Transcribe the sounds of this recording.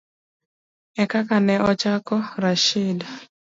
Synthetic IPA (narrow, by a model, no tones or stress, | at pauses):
ɛkakanɛʔɔt͡ʃakɔɾaʃɪd